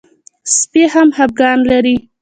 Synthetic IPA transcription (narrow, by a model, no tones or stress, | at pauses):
spehamhab̚ɡɑnlaɾi